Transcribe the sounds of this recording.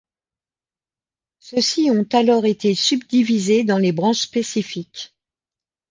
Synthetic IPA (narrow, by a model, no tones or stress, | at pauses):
səsiɔ̃t̪alɔʁet̪esybd̪ivized̪ɑ̃lebʁɑ̃ʃspesifik